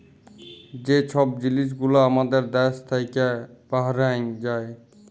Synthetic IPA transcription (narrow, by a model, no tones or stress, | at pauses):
d͡ʑet͡ɕʰɔb̚d͡ʑilis̬ɡulaamad̪eɾd̪ɛst̪ʰajkepaɦaɾad͡ʑae